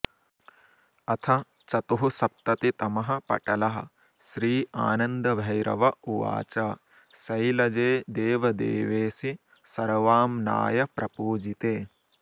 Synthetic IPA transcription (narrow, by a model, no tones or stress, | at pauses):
ɐt̪ʰɐ | t͡ʃɐt̪uɦusɐp̚t̪ɐt̪it̪ɐmɐɦɐ̆pɐ̰ʈɐlɐɦɐ̰̆ | ʃɾiːa̰ːnɐnd̪ɐbʱɐjɾɐ̰ʋɐuʋa̰ːt͡ʃɐ | sɐjlɐd͡ʒeːd̪eːʋɐd̪ḛːʋeːsi | sɐɾʋaːmna̰ːjɐpɾɐpuːd͡ʒit̪eː